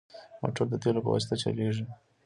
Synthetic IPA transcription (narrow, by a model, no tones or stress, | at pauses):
mo̰ʈoɾd̪ət̪elopə̰wa̰si̥t̪at͡ʃa̰leʐi